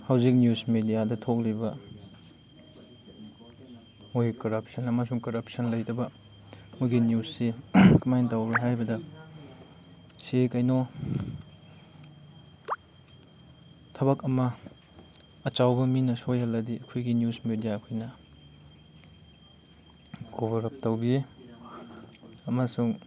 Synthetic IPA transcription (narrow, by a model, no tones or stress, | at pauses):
hawzik̚njusmedijadɐtʰok̚libɐ | mojkɐɾɐp̚sɐnɐmɐsuŋkɐɾɐp̚sɐnlɐjtɐbɐ | muɡinjusːikumajntawɾuɦajbɐdɐ | sekɐjno | tʰɐβɐkɐmɐ | ɐt͡ʃawbɐminɐsojhɐlːɐdiɐkʰojɡinjusmedijaɐkʰojnɐ | ɡoβɐɾɐp̚tɐwbie | ɐmɐsuŋ